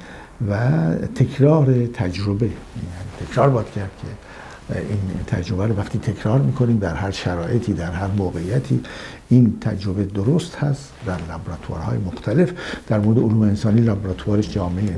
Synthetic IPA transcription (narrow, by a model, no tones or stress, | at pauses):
væt̪ʰe̞kʰɾɒːɾe̞t̪ʰæd͡ʒɾobe̞ | ænit̪ʰe̞kʰɾɒːɾbɒːd̪̥cʰæɾd̪̥̚kʰe | iːnt̪ʰæ̰d͡ʒɾo̞bæɾovæxt̪ʰiːt̪ʰekʰɾɒːɾmiːkʰo̞niːmd̪æɾhæɾʃæɾɒːʔe̞t̪ʰiːd̪æɾhæɾmoːɣeijæt̪ʰḭː | int̪ʰæ̰d͡ʒɾo̞be̞d̪oɾost̪hæst̪d̪æɾlæbɾɑːt̪ʰuɑ̰ɾhɒ̰ːjemoxt̪ʰæle̞fd̪̥æɾmoɾed̪eoluːmeːnsɒːniːlɒːbɾɒːt̪ʰuɑːɾeʃd͡ʒɒːmeee